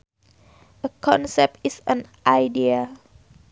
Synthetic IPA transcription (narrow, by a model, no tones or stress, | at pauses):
ʔəkʰɔ̃nsɛp̚tisə̃nʔajdia